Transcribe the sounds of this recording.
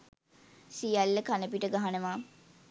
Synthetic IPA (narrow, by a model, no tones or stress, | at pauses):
sijalːəkanəpiʈəɡaɦanəʋaː